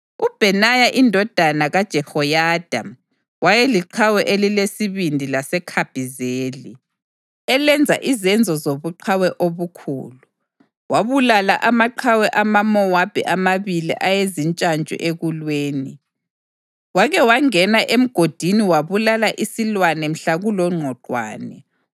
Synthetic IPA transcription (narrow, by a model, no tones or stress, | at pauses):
ub̥ʱɛnajaʔindʱɔd̥ʱanaɣad̥ʒ̥ʱɛhɔjad̥ʱam | wajɛliǃʰawɛʔelilesiβindʱilasɛkʰab̥ʱizeːli | ɛlɛnd͡zʱa̰ʔizɛnd͡zʱɔzoβuǃʰawɛʔoβukʰṵːlu | waβulala̰ʔamaǃʰawɛʔamamɔwab̥ʱɛ̰ʔamaβilḭʔajezint͡ʃʼant͡ʃʼɔ̰ʔeɣulweːni | waɣɛwaŋɛnaʔem̩ɡ̥ʱod̥ʱiniwaβulalaʔisilwanɛm̩ɬaɣulɔŋ͡ǃʱɔǃwa̰ːnɛ